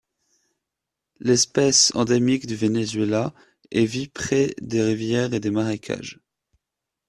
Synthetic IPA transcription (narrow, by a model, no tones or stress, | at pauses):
lɛspɛsɑ̃d̪emikd̪yvenezɥela | ɛvipχɛd̪eʁivjɛʁed̪emaʁekʲʰa̰ʒ